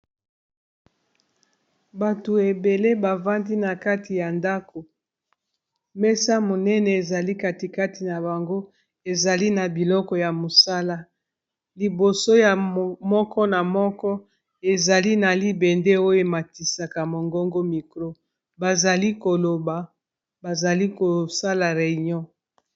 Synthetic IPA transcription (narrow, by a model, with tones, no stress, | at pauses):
ba˨tu˨e˨be˨le˦ba˨va˦ndi˦na˨ka˦ti˨ja˨nda˦ko˨ | mɛ˦sa˦mo˨nɛ˦nɛ˨e˨za˨li˦ka˨ti˨ka˦ti˨na˨ba˨ŋɡo˦ | e˨za˨li˦na˨bi˨lɔ˦kɔ˨ja˨mo˨sa˦la˦ | li˨bo˨so˦ja˨mɔ˦kɔ˦na˨mɔ˦kɔ˦ | e˨za˨li˦na˨li˦bɛ˨ndɛ˦o˦je˨ma˨ti˨sa˨ka˨mo˨ŋɡɔ˦ŋɡo˦mi˨kʁo˦ | ba˨za˨li˦ko˨lo˨ba˨ | ba˨za˨li˦ko˨sa˦la˨ʁe˨ɲɔ̃˦